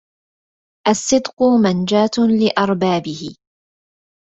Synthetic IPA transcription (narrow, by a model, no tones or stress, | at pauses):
ʔasːɨd̪qʊmand͡ʒaːt̪lɪʔɑɾˤbaːbɪhɪ